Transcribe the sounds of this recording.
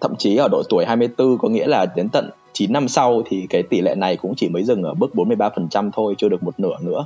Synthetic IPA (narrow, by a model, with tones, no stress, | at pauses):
t̪ʰə̰˧˨mt͡ɕi˨˦ʔəː˧˩ɗo̰˧˨jt̪u˧˩əjɦaː˧jm˧əjt̪ɨ˧kɔ˨˦ŋḭ˧˥əlaː˨˩t̪i˨˦ənt̪ə̰˧˨n | t͡ɕi˨˦nːa˧msa˧wt̪ʰi˨˩kaː˨˦jt̪i˧˩lɛ̰˧˨na˨˩jkʊ̰˧˥ŋ͡mt͡ɕi˧˩məː˨˦jzɨ˨˩ŋʔəː˧˩ɓɨ˦˥ək̚ɓo˨˦nmɨ˧jɓaː˧fə˨˩nt͡ɕa˧mt̪ʰo˧jt͡ɕɨ˧ɨ˨˩ək̚mo˨˩t̚nɨ̰˧˩ənɨ̰˧˥ə